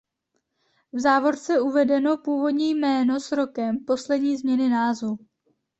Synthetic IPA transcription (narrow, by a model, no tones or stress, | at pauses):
vzaːvo̞ɾt͡sɛuvɛdɛno̞puːvo̞dɲiːjmɛːno̞sɾo̞kɛmpo̞slɛdɲiːzmɲɛnɪnaːzvu